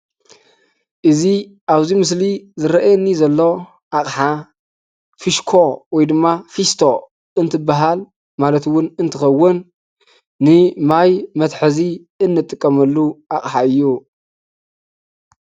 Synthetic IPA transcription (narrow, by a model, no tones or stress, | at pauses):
ʔɨzi | ʔaβzimɨs̬lizɨɾɐʔjnːizɐlːo̞ | ʔaχʼħa | fiʃkʰo̞wɔjd̪ɨmːafist̪ʰo̞ | ɨnt̪ʰɨbaɦal | malɐt̪wʊnɨnt̪ʰɨxɐwːʊnː | ɨmajmɐt̪ħɨzi | ɨnːɨt̪ʼːɨkʼːɐmɐlːuʔaχʼħaɨjːu